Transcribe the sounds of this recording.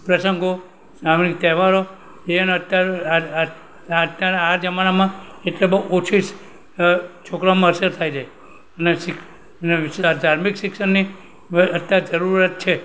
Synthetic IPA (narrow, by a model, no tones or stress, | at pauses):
pɾəsəŋɡo | samnikt̪eɦʋaɾo | eəneət̪ja | t̪jaɾad͡ʒəmanamãeʈlebəot͡ʃʰis | t͡ʃʰokɾamãəsəɾt̪ʰajd͡ʒae | ənesɪk | ed̪ʱaɾmiksɪksənːi | ət̪ːjad͡ʒəɾuɾat̪̚t͡ʃʰe